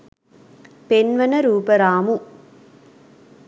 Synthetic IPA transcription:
penʋɐnɐɾuːpɐɾaːmu

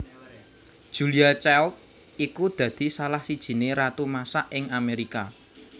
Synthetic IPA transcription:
d̥ʒ̥ṳliat͡ʃɛlt̪̚ | ikud̪̥ä̤d̪̥i̤salahsid̥ʒ̥i̤neɾat̪umasaʔɪŋameɾika

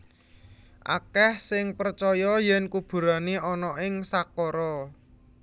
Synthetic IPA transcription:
ʔa̰kɛhsɪŋpərt͡ʃɔjɔjɛnkub̥ṳɾaniɔnɔʔɪŋsakɔɾɔ

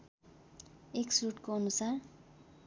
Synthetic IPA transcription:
eksruʈkoʌnusar

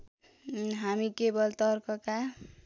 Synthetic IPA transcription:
ɦamikebʌlt̪ʌɾkʌka

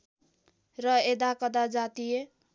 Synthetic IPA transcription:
rʌed̪akʌd̪ad͡zat̪ije

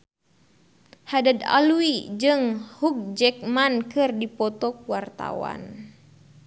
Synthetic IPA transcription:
hadad̪a̰luid͡ʒɨŋhuk̚d͡ʒɛk̚mankɨrdipɔt̪ɔkuwart̪a̰wa̰n

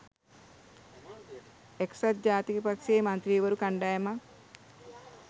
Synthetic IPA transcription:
eksat̪̚d͡ʒaːt̪ikəpakʃeːmant̪ɾiːʋəɾukaɳɖajama

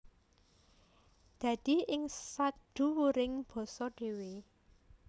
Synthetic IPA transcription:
d̪̥ä̤d̪̥i̤ɪŋsaɖ̥ṳwuɾɪŋb̥ɔ̤sɔɖ̪̥e̤we

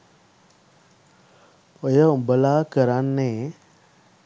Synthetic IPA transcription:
ojəbəlaːkəɾanːe

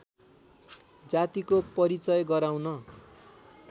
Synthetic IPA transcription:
d͡zat̪ikopʌɾit͡sʌjɡʌɾaw̃nʌ

